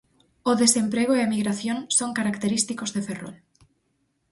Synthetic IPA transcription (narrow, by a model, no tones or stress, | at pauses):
ʊðesempɾeɣ̞ʊeaemiɣɾaθjoŋsoŋkaɾakt̪eɾist̪ikozðefero̰l